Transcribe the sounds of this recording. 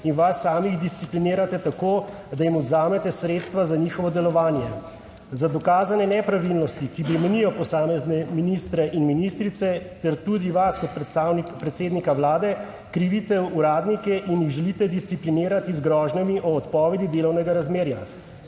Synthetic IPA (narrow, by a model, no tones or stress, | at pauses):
inʋasːaːmiɣd̪ist̪siplineːɾat̪ɛt̪akoː | d̪ajimɔd̪zaːmɛt̪ɛsɾeːt̪st̪ʋazaɲiːxɔʋɔd̪ɛlɔʋaːnjɛ | zad̪ɔkaːzanɛnɛpɾaʋilnɔst̪ikipɾimɛnijɔpɔsaːmɛznɛminist̪ɾɛʔinminist̪ɾit̪sɛt̪ɛɾt̪uːd̪iʋaskɔt̪sawpɾɛt̪seːd̪nikawlaːd̪ɛ | kɾiʋit̪ɛuɾaːd̪nikɛʔinjiɣʒɛliːt̪ɛd̪ist̪siplineːɾat̪izɡɾɔːʒnamiʔɔːt̪pɔːʋɛd̪id̪eːlɔwnɛɡaɾazmeːɾja